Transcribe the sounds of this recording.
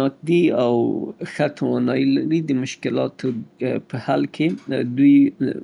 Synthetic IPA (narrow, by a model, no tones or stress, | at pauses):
ɑk̚d̪iawxat̪ʰawɑnɑjilaɾid̪əmʊʃkɪlɑt̪ʰopəhalkʰed̪uj